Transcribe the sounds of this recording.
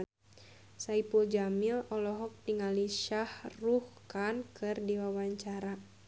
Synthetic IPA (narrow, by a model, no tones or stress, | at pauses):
saipuld͡ʒamilɔlɔɦɔk̚t̪iŋaliʃahruhkankɨrdiwawaɲt͡ʃaɾa